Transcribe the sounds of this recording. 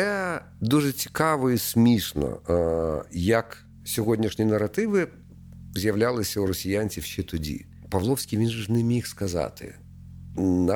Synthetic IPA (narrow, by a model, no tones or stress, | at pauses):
ɛ | d̪uʐɛt͡sʲi̥kɑʋɔisʲmʲiʂnɔ̰ | jɐk | sʲɔɦɔdʲnʲiʂnʲinɐɾɐt̪ɪʋɪ | zʲjɐʋlʲalˠɪsʲɐuɾɔsʲɪjanʲt͡sʲifʃɛt̪ʊdʲḭ | pɐʋlˠɔwsʲkʲijʋʲinʒʊʐnɛmʲixskɐzɑ̰t̪ʰɪ̰ | n